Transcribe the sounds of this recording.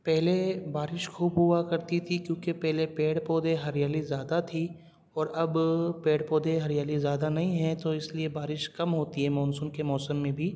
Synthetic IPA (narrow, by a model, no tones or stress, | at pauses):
pɛɦlebaːɾɪʃxuːbɦuakɐɾt̪it̪ʰikjõːkepɛɦlepeːɽpɔːd̪eɦɐɾjaːlizjaːd̪at̪ʰi | ɔːɾɐbpeːɽpɔːd̪eɦɐɾjaːlizjaːd̪anɐɦĩɦɛ̃t̪oɪsliebaːɾɪʃkɐmɦoːt̪iɦɛmɔːnsʊnkemɔːsəmːẽbʱiː